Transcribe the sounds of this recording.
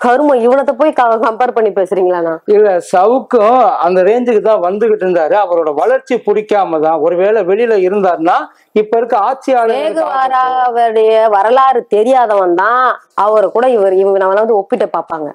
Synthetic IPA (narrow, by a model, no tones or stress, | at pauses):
kɐɾɯmɐ̃ɪʋɐɳɐt̪ːɐpoːjikɐkɐmpeːɾpɐɳːipeːsɪɾiːŋɡɐɭaːnaːɪlːɛsɐʋɯkːʊ̃ɐnd̪ɐɾeːɲd͡ʒɯkːɯt̪ãːʋɐnd̪ɯɣɪʈːɯɾɯnd̪aːɾɯɐʋɐɾoːɽɐʋɐɭɐɾt͡ʃːipʊɽɪkːaːmɐt̪ãːɔɾɯʋeːɭɛʋɛɭɪjɪlɐɪɾɯnd̪aːɾɯnaː | ɪpːɐɪɾɯkːɯaːt͡ʃːɪjaːɭɐːɣɯʋaːɾaːʋɐɾɯɽɐjɐʋɐɾɐlaːɾɯt̪ɛɾɪjaːðɐʋɐnd̪ãː | ɐʋɐɾɐkuːɽɐɪʋɐɾɯɪʋɐŋɡɐnɐmːɐlːaːʋɐnd̪ɯɔpːɪʈːɐpaːɾpaːŋɡɐ̰